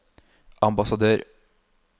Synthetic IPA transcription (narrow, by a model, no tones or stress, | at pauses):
ʔɑmbɑsɑd̪øːɾ